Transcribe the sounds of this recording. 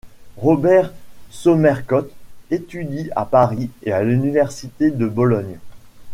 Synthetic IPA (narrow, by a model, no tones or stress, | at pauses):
ʁɔbɛʁsɔmɛʁkɔt̪et̪yd̪ia̰paʁiealynivɛʁsit̪ed̪əbɔlɔɲ